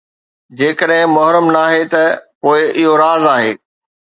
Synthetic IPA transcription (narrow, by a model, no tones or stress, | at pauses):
d͡ʑeːkəɗɦɪ̃mɐɦɾəmnaːɦet̪ɐpoːɪʔɪɦoɾaːzaːɦeː